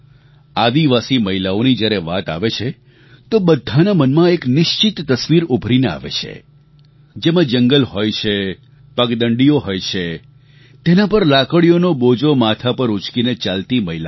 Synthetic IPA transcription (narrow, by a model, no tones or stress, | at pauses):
ad̪iʋasiməɦilaonid͡ʒjaɾeʋat̪a̰ʋet͡ʃʰe | t̪obəd̪ʱːanamənmãeknɪʃt͡ʃɪt̪ːəsʋiɾubʱɾinea̰ʋḛt͡ʃʰḛ | d͡ʒemãd͡ʒəŋɡəlɦojt͡ʃʰe | pəkd̪əɳɖioɦojt͡ʃʰe | t̪enapəɾlakəɽijonobod͡ʒomat̪ʰapəɾut͡ʃkinet͡ʃalt̪iməɦila